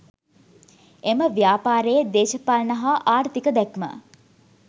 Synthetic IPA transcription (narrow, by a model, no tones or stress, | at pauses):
eməʋjaːpaːɾejəd̪eːʃəpalnɐɦaʔaːɾt̪ikəd̪ɛkmə̰